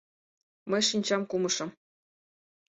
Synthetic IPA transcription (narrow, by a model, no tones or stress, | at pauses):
mɘ̆ʂinʲt͡ɕɑmkumɤ̆ʂɤ̆m